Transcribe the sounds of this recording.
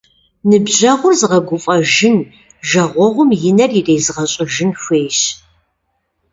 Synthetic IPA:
nɨbʑɐʁʷʊrzʁɐɡʷʊfʼɐʒɪn | ʒɐʁʷɔʁʷʊmjɪnɐrireːzʁɐɕʼɪʒɪnxʷeːʃ

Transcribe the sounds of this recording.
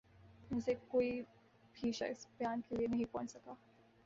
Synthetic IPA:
mʊsekoːi | pʰiːʃa̰ɪspjaːnkelienɐɦĩpɔ̰ːnsɐkaː

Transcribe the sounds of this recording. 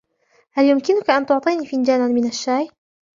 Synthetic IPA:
haljʊmkɪnʊkaʔant̪ʊʕt̪ˤiːniːfɪnd͡ʒaːnanmɪnaʃːaːj

